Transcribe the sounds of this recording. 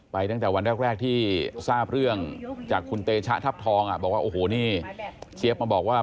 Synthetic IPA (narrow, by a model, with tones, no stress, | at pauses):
pa˧jt̪a˥˩ŋt̪ɛː˨˩wa˧nɾɛː˥˩k̚ɾɛː˥˩k̚t̪ʰiː˥˩saː˥˩p̚ɾɯ˥˩əŋt͡ɕaː˨˩kʰːu˧nt̪eː˧t͡ɕʰa˦˥t̪ʰa˦˥˩p̚t̪ʰɔː˧ŋʔa˨˩bɔː˨˩k̚waː˥ʔoː˨˩ɦoː˨˩niː˥˩t͡ɕʰeː˦˥p̚maː˧bɔː˨˩k̚waː˥˩